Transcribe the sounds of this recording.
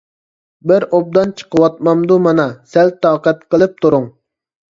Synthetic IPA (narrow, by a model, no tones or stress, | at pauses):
bɪɾob̚d̪ɑnt͡ʃʰə̥qəwɑt̪̚mɑmd̪umɑnɑsɛlt̪ːɑːqɛt̪qəlˠɨp̚t̪uɾʊŋ